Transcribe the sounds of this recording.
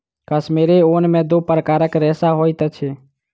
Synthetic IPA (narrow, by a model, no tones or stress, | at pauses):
kəsmeɾeoːnmẽd̪oːpɾəkaːɾəkɾɛːsaɦoːjt̪ət͡ʃʰeː